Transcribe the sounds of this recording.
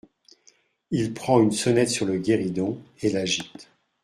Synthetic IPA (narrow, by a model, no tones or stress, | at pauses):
ilpχɑ̃ynsɔnɛt̪syʁləɡʲeʁid̪ɔ̃elaʒit̪